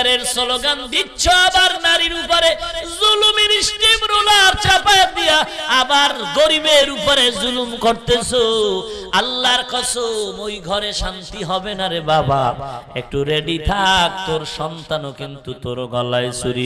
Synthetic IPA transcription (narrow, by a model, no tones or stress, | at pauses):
ɾeɾsɔloɡand̪itːʃʰoabaɾnaɾiɾupoɾezulumiɾisʈimɾolaɾt͡ʃapajd̪ijaabaɾɡoɾibeɾupoɾezulumkoɾt̪esʰo | alːaɾkɔsʰomojɡʱɔɾeʃant̪iɦɔbenaɾebabaḛk̚ʈuɾeɖit̪ʰak̚t̪oɾʃɔnt̪anokint̪ut̪oɾɡɔlaesuɾi